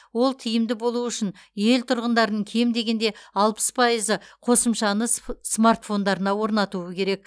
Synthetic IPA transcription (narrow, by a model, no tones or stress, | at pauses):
wo̞lˠt̪ʰijɪmd̪ɪbo̞lˠuʏʃɪnje̞lt̪ʰʊɾʁənd̪ɑɾənəɴkʲʰemd̪e̞ɡʲe̞nd̪e̞ɑlˠpə̥spʰɑjəzəqʰo̞səmʃɑnəsmart̪fo̞nd̪ɑɾənɑwo̞ɾnɑt̪uəkʲʰe̞ɾe̞k̚